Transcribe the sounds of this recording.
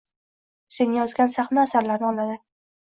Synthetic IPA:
se̞njɒzɡʲansaχnaːsaɾlaɾnɪɒlˠad̪ɪ

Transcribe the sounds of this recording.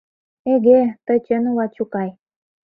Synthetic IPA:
eɣet̪ət͡ɕenulɑt͡ɕukɑj

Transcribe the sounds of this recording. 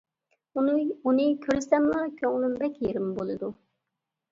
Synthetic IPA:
unɨkʲʰøɾɪsɛmlɑkʲʰøŋlymbɛkʲjeɾɪmbolˠɨd̪u

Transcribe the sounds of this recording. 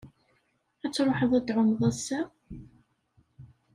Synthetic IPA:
æt͡sːɾˤoħəðˤæd̪ʕʊmðˤæsːæ

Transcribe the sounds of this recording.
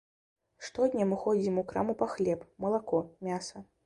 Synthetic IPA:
ʂt̪ɔd̪ʲnʲɐmɨxɔd͡zʲimukɾa̰mupaxlʲɛpmɐlˠakɔmʲasɐ

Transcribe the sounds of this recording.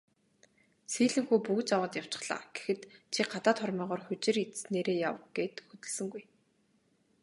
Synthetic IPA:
siːɮɘ̆ŋxuːpuɣɘ̆t͡ɕawəːt̪jaw̥t͡ɕɪ̥̆χɮ̥a̰ːɡ̥e̥xɘ̆t̪t͡ɕʰiɢat̪aːt̪χɔrmiːʁɔːrxʊt͡ɕɪ̆rit̪sneːɾeːja̰wɡ̥eːt̪xɵt̪ɘ̆ɮsɘ̆ŋɡuj

